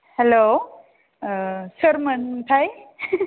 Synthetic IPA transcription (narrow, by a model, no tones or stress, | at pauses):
hɛlo | səɾmənt̪ʰaj